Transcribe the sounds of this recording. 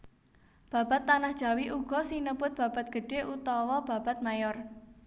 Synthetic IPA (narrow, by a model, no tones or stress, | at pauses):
b̥ä̤b̥a̤t̪ːanahd̥ʒ̥a̤wiʔuɡ̥ɔ̤sinəpʊt̪̚b̥ä̤b̥at̪̚ɡ̥ə̤ɖ̥e̤ʔut̪ɔwɔb̥ä̤b̥a̤t̪̚majɔr